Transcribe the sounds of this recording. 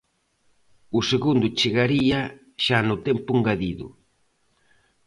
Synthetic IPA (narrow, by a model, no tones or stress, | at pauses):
ʊseɣund̪ʊt͡ʃeɣaɾia | ʃanʊt̪ɛmpʊŋɡaðiðʊ̰